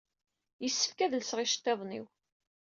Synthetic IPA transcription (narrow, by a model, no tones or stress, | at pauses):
jəsːə̥fkæðəlsʁɪʃt̪ːeðˤnḭw